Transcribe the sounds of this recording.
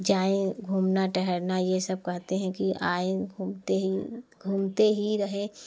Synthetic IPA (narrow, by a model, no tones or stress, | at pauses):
d͡ʒaːẽɡʱuːmnaʈɛɦəɾnajesəb̚kɛɦt̪eɦɛ̃kiʔaːẽt̪eɡʱuːmt̪eɦiɾəɦẽ